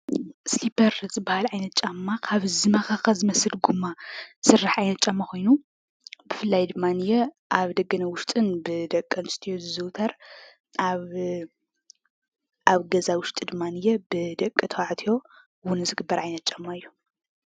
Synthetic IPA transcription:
slipʰɐɾzɨbːahalʕajnɐt̪̚t͡ʃʼamːakʰaβzɨmɐxɐxɐzɨmɐsɨlɡumːasɨrːaħʕajnɐt̪̚t͡ʃʼamːaxʰʷo̞jnu | bɨfɨlːajd̪ɨmːanɨjɛʔaβd̪ɐɡɐnɐwʊʃt̪ʼɨnbɨd̪ɐkʼːɐnst̪ʰijozɨzɨwt̪ʰɐɾ | aβ | ʔaβɡɐzawʊʃt̪ʼɨd̪ɨmːanɨjɛbɨd̪ɐkʼːɨt̪ʰɐwaʕt̪ʰijo̞ | wʊnɨzɨɡɨbːɐɾʕajnɐt̪̚t͡ʃʼamːaɨjːu

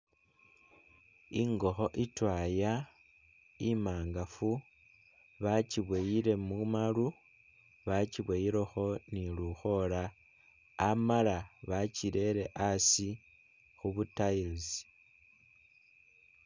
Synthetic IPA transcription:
iŋɡo̞xo̞ʔitwaja | imaːŋɡafu | βaciβwejiɾe̞mumalu | βaciβwejiɾe̞xo̞niluxo̞laː | malaβaciɾe̞ɾe̞ʔasi | xuβutailz

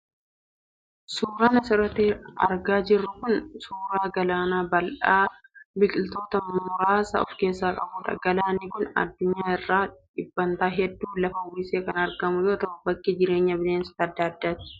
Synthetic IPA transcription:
suːɾɐnɐsɪɾɐt̪ɪɐ̰ɾɡaːd͡ʒɪrːʊkʊnsuːɾaːɡɐlaːnaːbɐlʔaːbɪkʼɪlt̪o̞ːt̪ɐmmʊɾaːsɐ̰ɔ̰fke̞ːsːaːkʼɐbuːᶑɐ̰ɡɐlaːnɪkʊnɐ̰d̪ːʊɲːaːɪrːaːᶑɪbːɐnt̪aːɦɛd̪ːuːlɐfɐwiseːkɐnɐɾɡɐmʊd͡ʒot̪ɐʊbɐkːid͡ʒɪɾe̞ːɲːɐbɪleːnsɐ̥t̪ːɐɐd̪ːaːɐd̪ːaːt̪ɪ̥

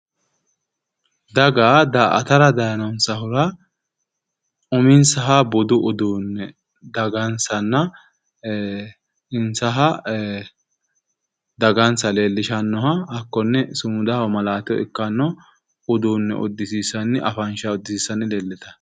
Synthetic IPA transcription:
d̪ɐɡaːd̪ɐʔɐ̰t̪ɐɾɐd̪ɐjɐnɐnsɐhʊɾɐ | ʔʊmɪnsɐɦɐbɔd̪ʊʔʊd̪uːnːɛ | d̪ɐɡɐnsɐnːɐ | ɪnsɐɦɐ | d̪ɐɡɐnsɐle̞ːlːɪʃɐnːɔɦɐɐkːɔnːɛsʊmʊd̪ɐɔmɐlaːt̪ɪjɔ̰ɪ̰kːɐnːɔ | ʊd̪uːnːɛ̰ʔɔ̰d̪ːɪsiːsːɐnːɛʔɐfɐnʃɐɔd̪ːɪsiːsːɐnːɪleːlːɛt̪ɐ̥

